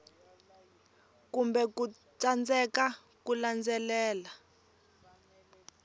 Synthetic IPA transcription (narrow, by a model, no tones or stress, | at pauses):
kumbɛku | tʼand͡zɛka | kuland͡zɛlɛːla